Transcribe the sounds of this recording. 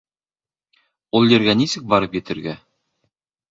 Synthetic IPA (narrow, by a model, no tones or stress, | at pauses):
ulˠjɘ̆ɾɡænisɘk̚bɑɾɤpjɘ̆t̪ɘ̆ɾɡæ